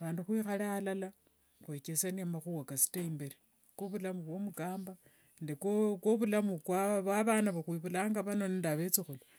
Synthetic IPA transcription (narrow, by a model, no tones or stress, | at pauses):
aβaːnduxwiːxalaːlala | xwe̞kesaniamaxuwakasi̥teimbeɾe | koβulamuβwo̞mukaːmba | ndekokoβulamukwaβwaβaːnaβaxwiβulaːŋɡaβano̞nindaβe̞t͡sixulo